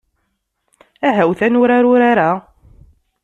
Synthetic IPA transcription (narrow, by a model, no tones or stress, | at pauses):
æɦæwθænʊɾaɾʊɾaɾa